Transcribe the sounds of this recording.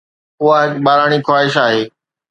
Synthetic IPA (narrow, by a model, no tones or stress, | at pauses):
ʊaɦɪkɓaːɾaːɽ̃ikʰwaːɦɪʃaːɦeː